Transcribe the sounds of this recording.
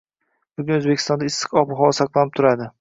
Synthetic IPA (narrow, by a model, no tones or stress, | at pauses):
bʊɡʲʊnɵzbekʰʲɪ̥st̪ɒnd̪aɪsːɨ̥qɒpʊɦɒlasɑqlˠanɪp̚t̪ʰʊɾad̪ɪ